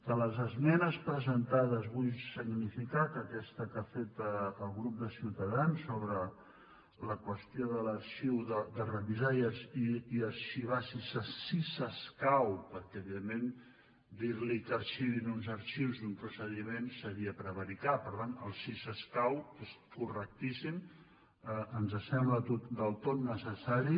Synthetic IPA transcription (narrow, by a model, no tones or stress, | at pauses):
d̪̥ələzəzmɛnəspɾəzənt̪aðəzβujsiɡnifikakəkɛst̪əkafet̪əəlˠɣɾup̚d̪əsiwt̪əðansːoβɾə | ləkwəst̪joðələɾʃiwðəd̪ərəβizaiəziiəɾʃiβ̞asisəsisəskawpəɾkɛəβiðemːẽn | d̪iɾlikəɾʃiβinunzəɾʃiwzðumpɾusəðimensəɾiəpɾəβəɾikapəɾt̪anəlˠsisəskaweskurək̚t̪isim | əʔənzəsɛmblət̪ot̪d̪əlˠt̪ot̪nəsəsaɾi